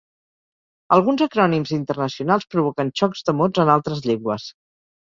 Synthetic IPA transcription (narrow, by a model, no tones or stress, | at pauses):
əlˠɣ̞unzəkɾɔnimzint̪ərnəsiunalˠspɾuβ̞okənʃɔkzd̪əmod͡zənalˠt̪ɾəzʎeŋɡwəs